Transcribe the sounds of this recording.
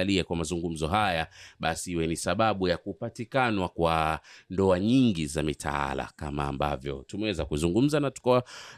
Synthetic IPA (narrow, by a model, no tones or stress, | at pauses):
aliakwamazuŋɡum̩zɔɦajaɓasiiwɛnisaɓaɓujakupatikanwakwandɔaɲiŋɡizamitʰa̰a̰la̰ka̰ma̰ːmba̰vjɔ̰tumɛwɛzakuzuŋɡum̩zanatu̥kawa